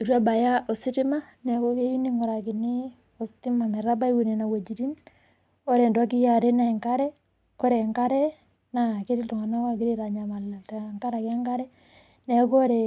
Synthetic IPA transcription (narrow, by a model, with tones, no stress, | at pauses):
i˨ɾu˦a˦ba˨ja˦ʔɔ˨si˦tɪ˦ma˦ | nɛ˨kɔ˦ke˦ju˦ni˦ŋɔ˨ɾa˨ki˨ni˦ | ɔ˨sti˦ma˨mɛ˨ɾa˦ba˦i˦wu˨ne˨na˨we˨d͡ʒi˨ti˦n | ɔ˦ɾɛ˨ndɔ˦ki˦ja˨ɾe˦na˨ŋka˦ɾɛ˦ | kɔ˦ɾɛ˨ŋka˦ɾɛ | na˨ke˦ɾi˦tɔ˨ŋa˨na˦a˦ki˦ɾi˦ɾa˨ɲa˨ma˨la˨ta˨ŋka˦ɾa˨kɛ˦ŋka˦ɾɛ˦ | nɛ˨ko˦ɾe˨